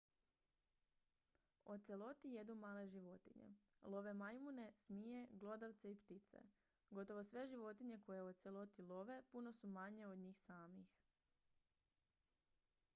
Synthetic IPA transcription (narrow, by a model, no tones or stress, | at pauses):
o̞t̪se̞lˠo̞t̪ije̞d̪numaːle̞ʒiʋo̞t̪iɲḛlˠo̞ʋe̞majmune̞smiːje̞ɡlˠo̞d̪aʋt̪seipt̪it̪sḛ | ɡo̞t̪o̞ʋosʋe̞ʒiʋo̞t̪iɲe̞ko̞jeot̪se̞lˠo̞t̪ilo̞ʋe̞puno̞sumaɲe̞od̪ɲiːxsaːmix